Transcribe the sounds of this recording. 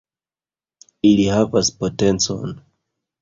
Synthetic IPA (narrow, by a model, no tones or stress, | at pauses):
ilihavaspo̞te̞nt͡so̞̰n